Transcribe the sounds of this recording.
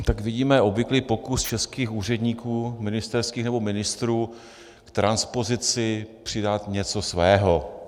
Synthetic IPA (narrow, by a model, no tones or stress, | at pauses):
t̪akvɪɟiːmɛo̞bvɪkliːpo̞kust͡ʃɛskiːxuːr̝ɛdɲiːkuːmɪnɪst̪ɛɾskiːxnɛbo̞mɪnɪst̪ɾuː | kt̪ɾanspo̞zɪt͡sɪpr̝̥ɪdat̪ɲɛt͡so̞svɛːɦo